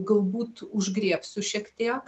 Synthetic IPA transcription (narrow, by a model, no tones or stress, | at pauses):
ɡɐlˠbuːt̪ʊʒɡɾʲiɛpsʊʃʲɛkt̪ʲeː